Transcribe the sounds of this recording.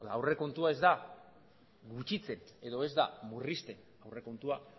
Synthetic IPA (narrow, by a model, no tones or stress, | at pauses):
aawre̞ko̞nt̪uae̞zd̪a | ɡut͡ʃit͡se̞ne̞ðo̞e̞zd̪amurist̪e̞n | awre̞ko̞nt̪ua